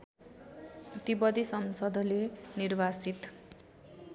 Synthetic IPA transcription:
prʌt̪ibʌd̪isʌmsʌd̪ʱlenirbasit̪

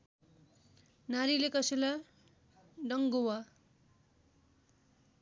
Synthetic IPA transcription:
naɾilekʌsela | ɖʌŋɡowa

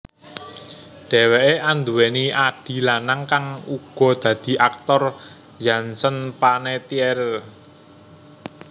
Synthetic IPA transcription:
ɖ̥ɛ̤weʔeʔand̪uweniaɖ̥i̤lanaŋkaŋuɡ̥ɔ̤d̪̥ä̤d̪̥i̤ʔak̚t̪ɔr | jansənpanet̪iɛɾɛl

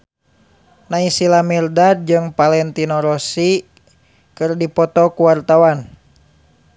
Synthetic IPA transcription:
naisilamirdad̚d͡ʒɨŋpalɛnt̪inɔɾɔsi | kɨrdipɔt̪ɔkuwart̪awan

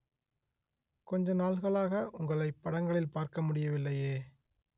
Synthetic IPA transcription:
kɔɲd͡ʒɐnaːɭɣɐɭaːɣɐʔʊŋɡɐɭɐɪpːɐɽɐŋɡɐɭɪlpaːɾkɐmʊɽɪjɐʋɪlːɐjeː

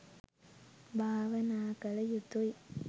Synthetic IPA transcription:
bʱaːʋɐnaːkɐlɐjut̪ːuj

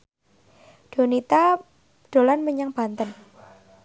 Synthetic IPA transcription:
ɖ̥o̤nit̪a | ɖ̥o̤lanməɲaŋb̥ant̪ən

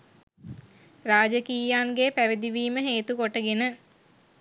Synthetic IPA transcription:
raːd͡ʒəkiːjaːnɡepæʋed̪iʋiːməɦeːt̪ukoʈəɡenə

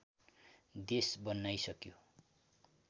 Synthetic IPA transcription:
d̪esbʌnːajsʌkjo

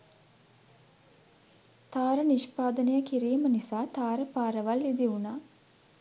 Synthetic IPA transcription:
t̪aːɾəniʃpaːd̪ənəjəkiɾiːmənisaːt̪aːɾəpaːɾəʋalːid̪iunaː

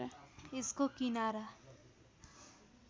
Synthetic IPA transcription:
ɪskokinaːɾa

